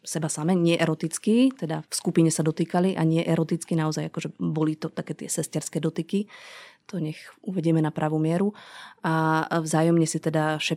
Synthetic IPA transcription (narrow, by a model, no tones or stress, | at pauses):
sɛbasamɛɲɪɛʔɛɾɔt̪it͡skit̪ɛd̪afskupiɲɛsad̪ɔt̪iːkaliʔaɲɪɛʔɛɾɔt̪it͡skinaɔzajakɔʒɛbɔlit̪ɔt̪akɛːt̪ɪɛsɛscɛɾskɛːd̪ɔt̪ikit̪ɔɲɛxuʋɛɟɪɛmɛnapɾʔaʋumɪɛɾuʔavzaːjɔmɲɛsit̪ɛd̪aʃɛ